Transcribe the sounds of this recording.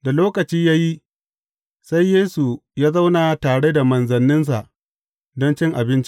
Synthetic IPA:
da˨loː˦kɐ˨t͡ʃiː˦jaː˦ji˦ | sa˦jːeː˦su˨jaː˦za˦wna˨taː˨ɽe˦da˨mɐ˨nzɐ˨nːɪ˦ns̬a̰˨ʔ | dɔ˦nt͡ʃɪ˦ŋʔa˨bɪ˦nt͡ʃi̥˦

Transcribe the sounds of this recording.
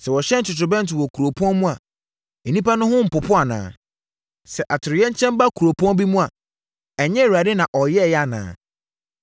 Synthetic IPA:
sɛ˨wɔ˨ɕɛ̃˦n̩˨t͡ɕɪ˨tɾʊ˨bɛ̃˦n̩˨tɪ˨wɔ˨kʰu˨ɾo˨pʰɔ̃˦mũ˦a˨ | e˨nĩ˦pa˦nʊ̃˦hʊ̃˦m̩˨pʊ˨pʰʊ˦a˨nã̰ː˨ | sɛ˨ʔa˨tʰɪ˨ɾɪ˨jɛ˦ɲ˦t͡ɕʰɛ̃˦mba˦kʰu˨ɾo˨pʰɔ̃˦bi˦mũ˦a˨ | ɛ˨ɲɛ̃˦˨wu˨ɾa˨dɪ˦nã˨ʔɔ˨jɛ˦˨ja˦nã̰ː˦˨

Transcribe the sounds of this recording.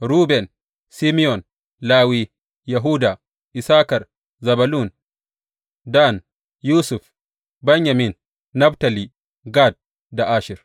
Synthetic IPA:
ɾuː˦bɛ˨n | si˦mi˦jɔ˨n | laː˦wi˦ | ja˨ɦuː˦da˨ | ʔi˨saː˦kɐ˨ɾ | zɐ˨balu˦n | da˦n | juː˦su˨f | bɛ˦ɲja˨mi˨nː | a˦bta˨li˨ | ɡa˦d̚ | da˨ʔaː˦ʃi˨ɾ

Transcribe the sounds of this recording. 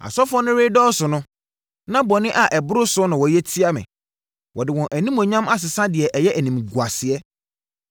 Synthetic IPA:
a̰˨sɔ˦fɔ̃˦nʊ̃˦ɾe˦dɔː˦sʊ˨nʊ̃˦ | nã˦bɔ˨nɪ̃˦ʔa˨ʔɛ˨bʊ˦ɾʊ˦sʊ˦nã˨wɔ˨jɛ˦tʰi˦a˦mɪ̰̃˨ | wɔ˨dɪ˨wɔ̃˨ʔæ˨nĩ˦mɔ̃˨ɲã˦ma˦s̬ɪ˨sã˦dɪ˨ɛ˨ʔɛ˨jɛ˦ʔæ˨nĩ˨mɡu˨a˨sɪ˨ɛ˦

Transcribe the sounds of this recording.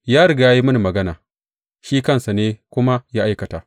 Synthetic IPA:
jaː˦ɽʊ˦ɡa˨ja˦ji˦mɐ˦ni˨mɐ˨ɡɐ˦na̰ː˨ | ʃiː˦kɐ˦nsa˨neː˦kʷʊ˦ma˦jaː˦ʔa˦jkɐ˨ta̰ː˨ʔ

